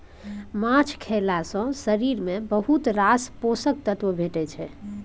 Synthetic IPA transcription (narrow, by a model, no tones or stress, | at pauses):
mãt͡ʃʰkʰelasə̃səɾiɾmebəɦut̪ɾasposək̚t̪ət̪ʋəbʱeʈɛt͡ʃʰɛ